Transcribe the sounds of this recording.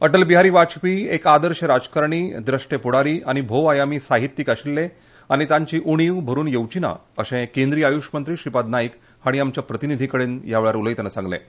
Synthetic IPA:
əʈəlbiɦaɾiːʋat͡ɕpiːekad̪əɾɕəɾad͡zkaɾɳ̃iːd̪ɾəʂʈepuɽaɾiːʔaɽ̃ibʱoʋajamiːsaɦit̪ːiːkaɕilːe | añit̪ãɲt͡ɕiːʔuɽ̃iʋbʱəɾuːnjəʋt͡ɕina̰əɕẽkend̪ɾiːajuʂmənt̪ɾiːɕipad̪̚naik | aɽ̃iamt͡ɕjapɾət̪inid̪ʱikəɽenjaʋeɭjaɾuləjt̪ənəsãŋɡlḛ̃

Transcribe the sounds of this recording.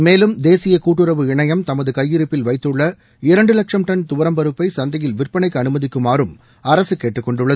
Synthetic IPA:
meːlɯmd̪eːsɪjɐkuːʈːɯɾɐʋɯɪɳɐjɐmt̪ɐmɐðɯkɐjːɪɾɯpːɪlʋɐɪt̪ːɯɭːɐ | ɪɾɐɳɖɯlɐkʂɐmʈ̪ɐnt̪ʊʋɐɾɐmbɐɾɯpːɐɪsɐnd̪ɐjɪlʋɪrpɐɳɐɪkːɯɐnɯmɐðɪkːɯmaːɾɯm | ɐɾɐsɯkeːʈːɯkːɔɳɖɯɭːɐ

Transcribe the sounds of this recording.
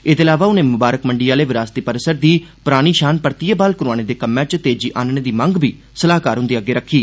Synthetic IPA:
ɪd̪eːlaːʋaːʊnẽːmʊbaːɾəkməɳɖiːaːleːʋɪɾaːst̪iːpəɾsəɾd̪iːpʊɾaːɽ̃iːʃaːnpəɾt̪ijebaːlkʊɾʊaːɽ̃eːd̪eːkəmːɛ̃ːt͡ʃt̪eːd͡ʒiːʔaːnɳeːd̪iːməŋɡbiː | səlaːkaːɾɦʊ̃nd̪iːaɡeːɾəkʰːiː

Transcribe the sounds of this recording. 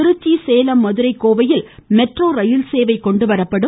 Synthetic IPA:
ɪɾɯt͡ʃːiseːlɐmːɐðɯɾɐɪkːoːʋɐjɪlmɛʈroːɾɐjɪlseːʋɐɪkɔɳɖɯʋɐɾɐpːɐɽɯ

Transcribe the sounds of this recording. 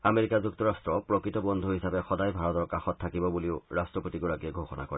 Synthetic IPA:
ameɹikazuk̚tɔɹastɹɔpɹɔkɹitɔbɔnd̪ʱuɦisapɛxɔdajbʱaɹɔtɔɹkaxɔtʰːakibɔbuliʊɹastɹɔpotiɡɔɹakiɛɡʱoxɔna̰kɔɹɛ

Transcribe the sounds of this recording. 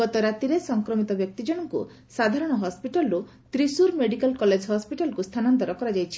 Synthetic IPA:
ɔt̪ɔɾat̪iɾesɔŋkɾɔmit̪ɔbjɔk̚t̪id͡ʒɔɽɔŋkṵ | sad̪ʱaɾɔɽ̃ɔɦɔspiʈalɔɾu | t̪ɾisuɾmeɽikalkɔled͡ʒʱɦɔspiʈalɔkust̪ʰanɔnt̪ɔɾɔkɔɾad͡ʒajt͡ʃʰi̥

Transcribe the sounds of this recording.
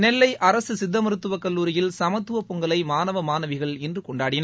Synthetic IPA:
nɛlːɐɪʔɐɾɐsɯsɪd̪ːɐmɪɾɯt̪ːɯʋɐkːɐlːuːɾɪjɪlsɐmɐt̪ːɯʋɐpːɔŋɡɐlɐɪmaːnɐʋɐmaːnɐʋɪɣɐɭɪndrɯkɔɳɖaːɽɪnɐ

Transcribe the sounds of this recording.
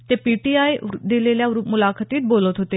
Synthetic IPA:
t̪eːpiːʈiːaːid̪eːleːljaːɾumʊlaːkʰət̪iːt̪̚boːlət̪ɦʊt̪eː

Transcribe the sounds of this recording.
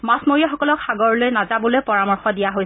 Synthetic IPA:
masmoɹiaxɔkɔlɔkxaɡɔɹlojnazabɔlojpɔɹamɔɹxɔdijaɦoj

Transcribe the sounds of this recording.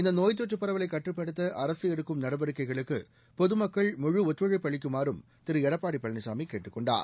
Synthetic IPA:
ɪnd̪ɐnoːjt̪̬ːoʈ̬ːɯpːɐrɐʋɐlɐɪkːɐʈːrɯpːɐɽɯt̪̬ːɐʔɐrɐsɯɛɽɯkːɯmnɐɽɐbɐɾɯkːɐɪɣɐɭɯkːɯ | pɔðɯmɐkːɐɭmʊɻuɔt̪ːʋɐɻipːɐɭɪk̬ʲːɯmaːɾɯm | t̪ɪɾɯɛɽɐpːaːɽipːɐɭɐnɐsaːmikːeːʈːɯkːɔɳɖa̰ːɾ

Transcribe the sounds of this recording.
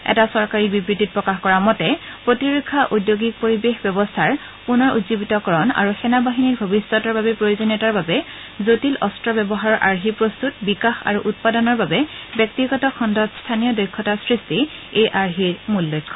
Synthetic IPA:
ɛ̰tasɔɹkaɹibibɹidʱit̚pɹɔkaxkɔɹamɔtɛpɹotiɹukʰːaʔudjoɡik̚poɹibexbɛbɔstʰaɹ | punɔɹṵtzibitɔkɔɹɔna̰ɹuxɛnabaɦiniɹbʱobisːɔtɔɹbabɛpɹojozɔnjɔtaɹbabɛ | zotilʔɔstɹɔbɛbɔɦaɹɔɹʔaɹɦipɹost̪utbikaxa̰ɹuʔut̚padɔnɔɹbabɛbjɛk̚tiɡɔtɔkʰɔndʱɔtstʰanijɔdɔjkʰːɔtasɹistiejʔaɹɦiɹmulːɔjkʰːɔ

